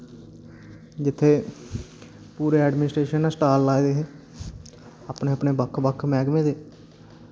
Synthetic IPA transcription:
d͡ʒɪt̪ʰːeː | puːɾeːɛːɖmɪnɪsʈɾeːʃənːãsʈaːlːaːed̪eːɦeː | aːpneːəpneːbəkʰbəkʰːmɛːɡmẽːd̪eː

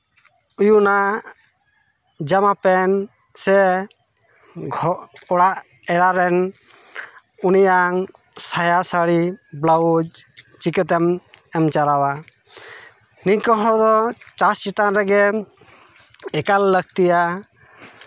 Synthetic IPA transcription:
ujuna | d͡ʒamapɛn | sɛ | ɡʱɔɔɽaʔ | ɛɾaɾɛn | unijaŋ | sajasəɽiblaud͡ʒt͡ʃikɛt̪ɛmɛmt͡ʃalawa | niɲkɔɦɔɾd̪ɔt͡ʃast͡ʃit̪anɾɛɡɛ | ɛkalːəɡ̚t̪ija

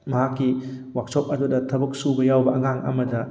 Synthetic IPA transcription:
mɐɦakːi | wak̚sop̚ɐdudɐtʰɐbɐk̚subɐjawbɐʔɐŋaŋʔɐ̰mɐdɐ

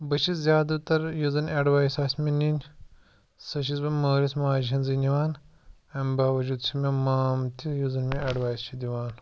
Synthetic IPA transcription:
bɐt͡ʃʰizzʲjaːd̪ɐt̪ɐɾjuzɐnɐɖwaːjisaːsʲmininʲ | sɐʃ̬izbɐmɐːɾismaːd͡ʒɦinziniwaːn | ɐmbaːwɐd͡ʒud̪t͡ʃʰimemaːmt̪ijuzɐnmĩɐːɖʋaːist͡ʃʰid̪ʲiʋaːn

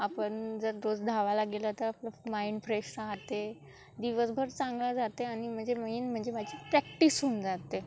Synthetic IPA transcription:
apəɳd͡zəɾd̪od͡zd̪ʱaʋalaɡelət̪əɾaplamainfɾeɕsaɦt̪e | d̪iʋəsbʱəɾt͡sãŋɡlad͡zat̪eañim̤əɳd͡zeməiːnm̤əɳd͡zemad͡ʑipɾɛkʈisuːnd͡zat̪e

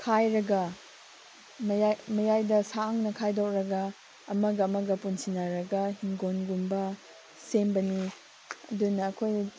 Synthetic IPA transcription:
kʰajɾɐɡɐ | mɐjamɐjajdɐsaːŋnɐkʰajdowɾɐɡɐː | mɐɡɐːmɐɡɐpunsinaɾɐɡɐhiŋɡonɡumbɐ | sembɐni | ɐdunɐːkʰoj

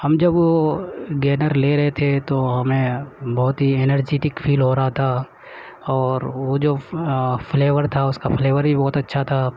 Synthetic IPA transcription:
hɐmd͡ʒɐbʋoɡɛːnəɾleɾɐɦet̪ʰet̪oɦɐmẽbɔːʊt̪ɦienəɾd͡ʒeːʈɪkfiːlɦoɾɐɦat̪ʰa | ɔːɾod͡ʒoːfleːʋəɾt̪ʰaʊskafleːʋəɾbibɔːʊt̪ɐtːʃʰat̪ʰaː

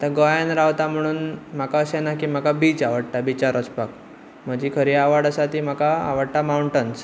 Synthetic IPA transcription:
at̪aɡəjanɾaʋt̪am̤əɽ̃uːnm̤akaəɕanakim̤akabit͡saʋəɽʈ̪abit͡ɕaɾət͡spak̚ | m̤əd͡ʑikʰəɾiaʋəɽəsat̪im̤aka̰ːʋəɽʈ̪amawɳʈəns

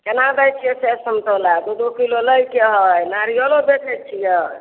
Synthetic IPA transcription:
kenad̪at͡ʃʰijɛsesəmʈolad̪od̪okiloləjkeɦəjnaɾijolobet̪ʰɛt͡ʃʰijɛ

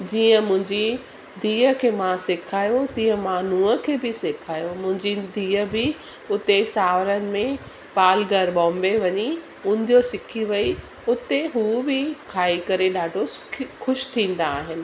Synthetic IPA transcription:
d͡ʑiːə̃mʊ̃ɦɪ̃ɲd͡ʑi | d̪ʱiːəkʰeːmãsɪkʰaːjot̪iːə̃mãn̤uːəkʰeːbɪseːkʰaːjomʊ̃ɦɪ̃ɲd͡ʑid̪ʱiːəbɪ | ʊt̪esaːʋɾənɪ̆mẽ | paːlɡɐɾɓɔ̃ːmbeʋɐɲi | ʊ̃nd̪ʱijosɪkʰiʋɐi | ʊt̪eɦuːbɪkʰaːikɐɾeɗaːɖʱosʰkʊʃt̪ʰĩːn̆d̪aːɦɪnɪ̆

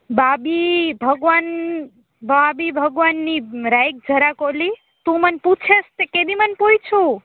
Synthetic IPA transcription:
babibʱəɡʋan | babibʱəɡʋanːiɾajk̚d͡ʒʱəɾakoli | t̪ũmənput͡ʃʰest̪eked̪imənpojit͡ʃʰu

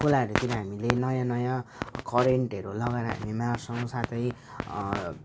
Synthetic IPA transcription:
kʰolaeɾot̪inaɦamilenʌjãnʌjãkʌɾeɳʈɦʌɾulʌɡaɾʌɦa̰mimarsʌ̃sat̪ʰʌj

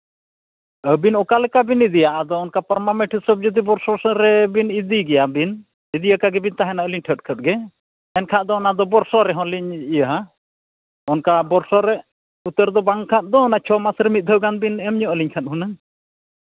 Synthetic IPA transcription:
əbinɔkalɛkabinid̪ijaʔad̪ɔːnkapaɾmamɛʈʰisɔb̚d͡ʒɔd̪ibɔɾsɔsɾɛbinidiɡɛjabin | idijakaɡɛbint̪aɦɛnaəliɲʈʰəʈ̚kʰət̚ɡɛ | ɛnkʰat̪̚d̪ɔnad̪ɔbɔɾsɔɾɛɦɔ̃liɲijəɦa | ɔnkabɔɾsɔɾɛ | ut̪ɔɾd̪ɔbaŋkʰat̪̚d̪ɔːnat͡ʃʰɔmasɾɛmit̪̚ˀd̪ʱəwɡanbinɛmɲɔʔəliɲkʰat̪̚ɦuna

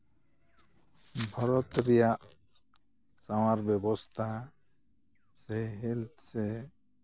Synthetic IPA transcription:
bʱɔɾɔt̪ɾijaʔ | sawaɾbɛbɔst̪ʰa | sɛɦelsɛ

